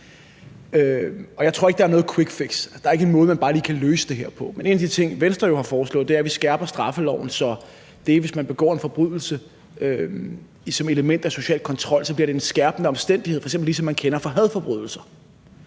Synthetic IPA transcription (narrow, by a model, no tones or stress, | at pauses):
øɒ̽jat͡sʰo̝ɐeɡ̥d̥ɑæɐnɔ̽ːð̞̩ˠkʰweɡ̥feɡ̥sæd̥ɑ̈æɐe̝ɡ̥əe̝nmɔ̽ːð̞̩ˠmænb̥ɑ̈ːliːkʰæløːsəd̥e̝ɦeɐ̰pʰɒ̽mene̝ːnæd̥it͡sʰe̝ŋ̰ʋensd̥ʁɐjo̝hɑ̈fɒːslɔ̰̽ð̩ˠd̥e̝æɐʋisɡ̥æɐb̥ɐsd̥ʁɑ̈fəlɒʊ̰n̩sɒ̽ | d̥e̝ʋe̝smænb̥e̝ɡ̥ɒ̰ːe̝nfɒ̽b̥ʁyð̰ˠl̩sə | ø | isɒ̽me̝ləmen̰d̥æso̝ɕɛ̰ːlkʰɒ̽nt͡sʰʁɒ̽l̰sɒb̥liɐɾ̥e̝e̝nsɡ̥æɐb̥n̩əɒ̽msd̥en̰d̥iheð̩̰ˠfɒɪ̥sembl̩is̬ɒ̽mːænkʰenɐfɒ̽ɦæð̞ˠfɒ̽b̥ʁyð̞̰ˠl̩sɐ